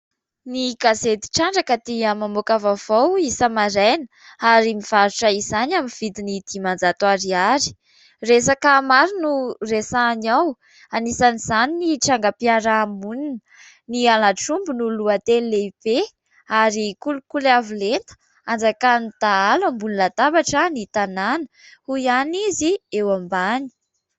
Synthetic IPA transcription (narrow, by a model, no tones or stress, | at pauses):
niɡazet̪i̥ʈ͡ʂaɳɖ͡ʐakat̪iəmamokavavawisəmaɾajnə | aɾimiv̥aɾuʈ͡ʂəizanaminv̥id̪inid̪̥imand͡zat̪uaɾiaɾi̥ | resakəmaɾinuresanaw | anisanizaniniʈ͡ʂaŋɡapiaɾaːmunin | nianaʈ͡ʂumbunuluat̪elleipe | aɾikulukulavulent̪ə̥ | and͡zakanit̪aalambunilat̪abaʈ͡ʂənit̪ananə̥ | huianiziewambani̥